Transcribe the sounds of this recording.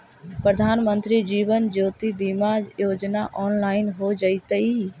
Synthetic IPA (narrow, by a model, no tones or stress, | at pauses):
pɾəd̪ʱaːnmə̃nt̪ɾid͡ʒiːʋənd͡ʒoːt̪ibimajoːd͡ʒnaʔɔːnlaːɪnɦod͡ʒəit̪əi